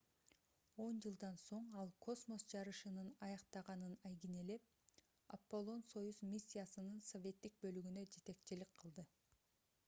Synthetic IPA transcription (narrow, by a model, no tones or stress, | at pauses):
o̞nd͡ʒɯlˠd̪ɑnso̞ɴɑlˠkʰo̞smo̞sd͡ʒɑɾɯʃɯnɯnɑjɑqt̪ɑʁɑnɯnɑjɡine̞le̞p̚ | a̰pːo̞lˠo̞nso̞juzmʲisʲːijasɯnɯnso̞vʲe̞t̪ːik̚bø̞lyɡynø̞d͡ʒe̞t̪e̞kt͡ʃilikqʰːɯlˠd̪ɯ